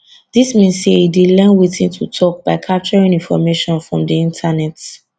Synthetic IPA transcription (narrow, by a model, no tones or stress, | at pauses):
d̥ismĩnseidilɛ̃nwitĩntʰutʰɔk̚b̥aɪkʰap̚t͡ʃɔɹĩŋĩnfɔ̰meʃɔ̃nfɹɔ̃mdiĩntʰanɛt